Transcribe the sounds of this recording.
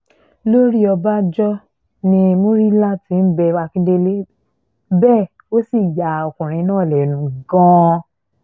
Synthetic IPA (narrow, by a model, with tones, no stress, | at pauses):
lo˦ɾi˦ɔ˧ba˦d͡ʒɔ˦ | nĩ˧mũ˦ɾi˦la˦tĩ˧˦n̩˦bɛ˧wa˧kĩ˦de˦le˦ | bɛː˦˨ | o˦si˦˨ja˨o˨kũ˨ɾ̃ĩ˧˦nãː˦˨lɛ˨nũ˨˦ɡã˧˦